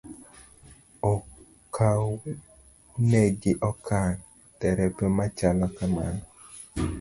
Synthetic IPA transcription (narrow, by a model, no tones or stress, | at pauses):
ɔ | kʰaw | nɛɡɪʔɔkʰan | tɛɾɛpjɔmat͡ʃalɔkama̰nɔ